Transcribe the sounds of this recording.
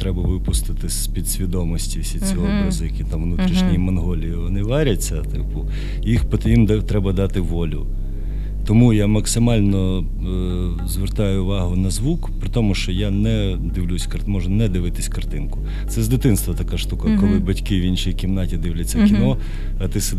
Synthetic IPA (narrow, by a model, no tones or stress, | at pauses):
t̪ɾɛbɐʋɪpʊst̪ɪt̪ɪsʲpʲid̪sʲʋʲid̪ɔmɔsʲtʲiwsʲit͡sʲɔɦɔbɾɐzʊjɐkʲit̪ɑmʋnut̪ɾʲiʃnʲijimɔnɦɔlʲijiʋɔnɪʋɛɾʲɐt͡sʲːɐt̪ɪ̰pʊ | jixpt̪jimd̪t̪ɾɛbɐd̪ɑt̪ɪʋɔlʲʊ̰ | t̪ɔmujamɐksɪmɑlʲnɔ | zʋert̪ɑjʊʋɑɦʊnɐzʋukpɾɪt̪ɔmʊʃt͡ʃɔjanɛ | d̪ɪʋlʲusʲkɐrmɔʒnɐnɛd̪ɪʋɪt̪ɪsʲkɐrt̪ɪnkʊ̥ | t̪sɛzd̪ɪt̪ɪnst̪ʋɐt̪ɐkaʃt̪ukɐkɔlˠɪbɐtʲkɪʋint͡ʃijkʲimnɑtʲid̪ɪwlʲɐt͡sʲːɐfkʲinɔ | ɐt̪ɪs